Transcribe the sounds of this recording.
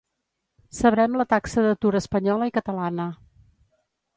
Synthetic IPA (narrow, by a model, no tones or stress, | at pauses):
səβɾɛmlət̪aksəðət̪uɾəspəɲɔləikət̪əlanə